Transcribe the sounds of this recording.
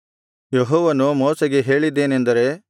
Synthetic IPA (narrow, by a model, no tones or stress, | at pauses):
jeɦɔːʋɐnumɔːsɐɡeɦe̞ːɭid̪ːeːnend̪ɐɾe̞